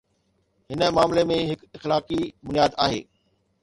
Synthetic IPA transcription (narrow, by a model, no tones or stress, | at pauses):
ɦɪnə̆maːmlemẽɦɪkɪxlaːkibʊnjaːd̪a̰ːɦḛː